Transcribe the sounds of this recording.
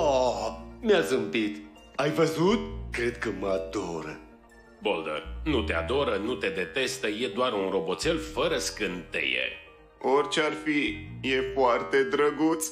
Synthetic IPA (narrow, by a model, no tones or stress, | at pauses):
ameazɨmpit̪ | ajvəzut̪̚kɾe̞d̪kəməad̪oɾə̰ | bold̪ə̰rnut̪ea̰d̪o̞ɾənut̪e̞d̪e̞t̪e̞st̪əje̞d̪oarunro̞bo̞t̪se̞lfəɾəskɨnt̪ḛjḛ | orʲt͡ʃearfijefoart̪e̞d̪ɾəɡut̪s